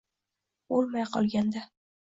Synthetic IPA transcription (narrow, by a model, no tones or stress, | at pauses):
olˠmajqʰɒ̰lˠɡʲand̪a